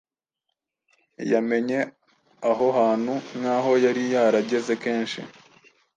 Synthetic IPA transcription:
jame̞ɲe̞ | aɦo̞ɦaːn̥hunhaːɦo̞jaɾijaːɾaɟe̞ze̞ke̞ːnʃḭ

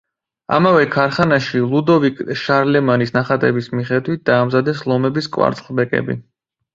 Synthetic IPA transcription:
a̰mavɛkʰaɾχanaʃilˠud̪ɔvikʼʃaɾlɛmanisnaχat̪ʼɛbismiχɛd̪wit̪̚ʰd̪̥aːmzad̪ɛslˠɔmɛbiskʼwa̰ɾt̪sʼχbɛkʼɛ̰bḭ

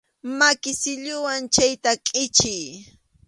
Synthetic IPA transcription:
makɪsɪʎʊwant͡ʃajt̪akʼɪt͡ʃɪj

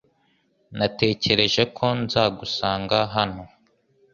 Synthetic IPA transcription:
nate̞ːce̞ɾe̞ʒe̞kʰo̞nzaːɡusaːŋɡaɦano̞

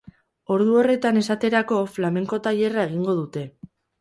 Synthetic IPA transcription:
o̞ɾðuo̞re̞t̪ane̞sat̪e̞ɾako̞flame̞ŋko̞t̪aje̞rae̞ɣ̞iŋɡo̞ðut̪e̞

